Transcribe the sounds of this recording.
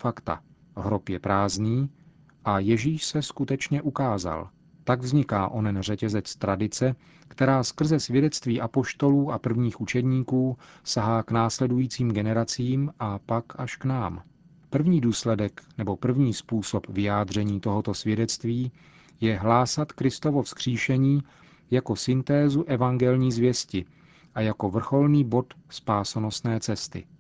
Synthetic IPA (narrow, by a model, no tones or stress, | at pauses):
fakt̪a̰ | ɦɾopjɛpɾaːzniː | ʔajɛʒiːʃsɛskut̪ɛt͡ʃɲɛʔukaːza̰l | t̪aɡvzɲɪkaːʔo̞nɛnr̝ɛcɛzɛt͡st̪ɾadɪt͡sɛ | kt̪ɛɾaːskr̩zɛsvjɛdɛt͡st̪viːʔapo̞ʃt̪o̞luːʔapr̩vɲiːxʔut͡ʃɛdɲiːkuːsaɦaːknaːslɛdujiːt͡siːmɡɛnɛɾat͡siiːmʔapakʔaʃknaːm | pr̩vɲiːduːslɛdɛknɛbo̞pr̩vɲiːspuːso̞pvɪjaːd̪r̝ɛɲiːt̪o̞ɦo̞t̪o̞svjɛdɛt͡st̪viː | jɛɦlaːsat̪kɾɪst̪o̞vo̞fskr̝̥iːʃɛɲiː | jako̞sɪnt̪ɛːzuʔɛvaŋɡɛlɲiːzvjɛscɪ | ʔajako̞vr̩xo̞lniːbo̞t̪spaːsono̞st̪nɛːt͡sɛst̪ɪ̰